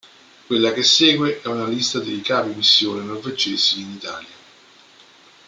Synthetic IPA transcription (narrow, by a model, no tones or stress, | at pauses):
kwelːakesːɛːɡweʔɛunalist̪ad̪ejkaːpimisːjoːnenorved͡ʒːeːz̥iːnit̪a̰ːlja